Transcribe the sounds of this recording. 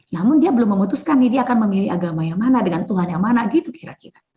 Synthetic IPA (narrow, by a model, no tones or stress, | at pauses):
namʊndiabəlʊmːəmut̪uskanːidiaːkanməmiliaɡamajaŋmanadəŋant̪uɦanjaŋmanaəɡit̪ukiɾakiɾa